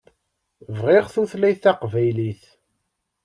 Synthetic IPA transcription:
vʁiʁθuθlæjθæqvæjliθ

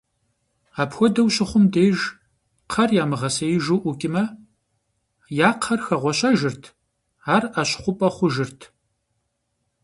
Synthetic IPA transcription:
aːpxʷɔdɐwɕɪχʷʊmdeːʒ | qʰɐrjaːmɨʁɐsɐjɪʒɨʔʷʊkʲʼɪmɐ | jaːqʰɐrxɐʁʷɔɕʼɐʒɨrtʰ | aːraɕχʷʊpʼɐχʷʊʒɨrtʰ

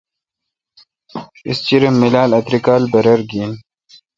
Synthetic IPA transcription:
ḭst͡ɕiɾemːilaːlɐt̪ɾikaːlbɐɾɐɾɡiːn

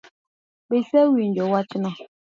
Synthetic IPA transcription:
besɛwind͡ʒɔwat͡ʃinɔ

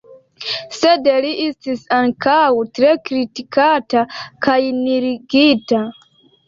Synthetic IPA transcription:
sɛdɛliʔistisãnkʰawutɾekɾitikatakʰajniɾiɡita

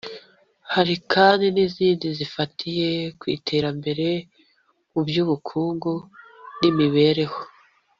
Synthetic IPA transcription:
haɾikʰaːndiniziːndizifatʰije̞kwḭːtʰe̞ɾambe̞ɾe̞ | mubjuβukʰuːŋɡunimiβe̞ɾe̞ho

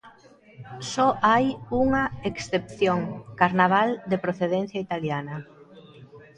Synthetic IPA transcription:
sɔʔajuŋɐeksθepθjoŋkaɾnaβ̞ald̪epɾoθeðen̟θjait̪aljanɐ

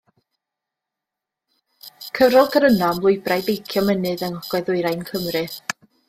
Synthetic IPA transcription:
kʰəvɾɔlˠɡəɾənɔmlˠʊɨbrajbejkʰjɔmənɨðənɔɡ̥ɔɨðʊɨɾajnkʰəmrɨ

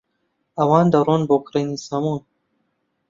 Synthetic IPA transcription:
ɐwɑːnd̪aɾonbokɾɐnisamuːn

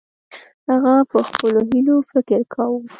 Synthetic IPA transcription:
haɣapəxpəloɦilofɪkəɾkʰawu

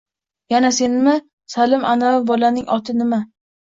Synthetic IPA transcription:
janase̞nɪmɪ | salɪmʔanaɪbɒlanɪŋʔɒt̪ʰɪnɪma

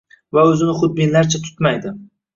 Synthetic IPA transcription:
vaɵzɪnɪχʊd̪̚bɪnlaɾt͡ʃʰat̪ʰʊ̥t̪majd̪ɪ

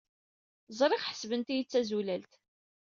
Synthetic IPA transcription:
zˤɾˤɪʁħə̥svənt̪ijət͡sːæzulælt̪

